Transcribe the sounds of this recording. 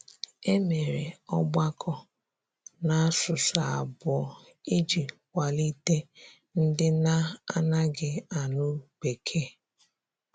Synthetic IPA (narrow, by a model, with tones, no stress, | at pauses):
e˦me˨ɾe˨ɔ˦ɡ͡ba˦kʰɔ˦ | na˦sʊ˨sa˨a˨bɔ˨ | i˦d͡ʒi˨ | wʷa˨li˦te˦ | n̩˦dɪ˦na˦a˦na˦ɡɪ˦a˨nʊ˦k͡pe˨kʰe˦˨